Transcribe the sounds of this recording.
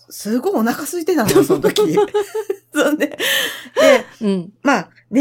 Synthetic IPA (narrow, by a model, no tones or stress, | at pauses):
sɨɡo̞ionakasɨit̪e̞t̪ãnosõnt̪okʲi | soned̪ẽ̞ma | d̪e